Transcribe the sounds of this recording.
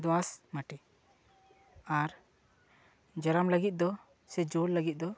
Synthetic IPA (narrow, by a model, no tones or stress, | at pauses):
d̪ɔasmaʈi | aɾ | d͡ʒaɾamləɡit̪̚d̪ɔ | sɛd͡ʒolːəɡit̪̚d̪ɔ